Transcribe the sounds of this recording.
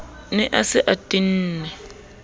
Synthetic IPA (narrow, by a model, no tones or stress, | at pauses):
nɛʔasɪʔatʼin̩ːnɛ